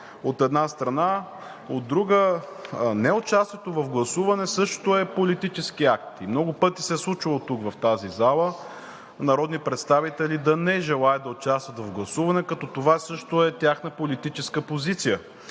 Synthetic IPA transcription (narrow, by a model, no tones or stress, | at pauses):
ot̪ɛd̪nast̪ɾɐna | od̪ːɾuɡə | nɛot͡ʃast̪jɛt̪ovɐfɡlˠɐsuvɐnɛsɤʃt̪oɛpolit̪it͡ʃɛskiak̚t̪imnɔɡʊpɤt̪isɛslˠut͡ʃilˠot̪ukvɐft̪azizalˠə | nɐɾɔd̪nipɾɛt̪st̪avit̪ɛlid̪ɐnɛʒɛlˠaɛd̪ɐot͡ʃast̪vət̪vɐvɡlˠɐsuvɐnɛkɐt̪ɔt̪ovasɤʃt̪oɛt̪ʲjaxnəpolit̪it͡ʃɛskəpozit̪sijə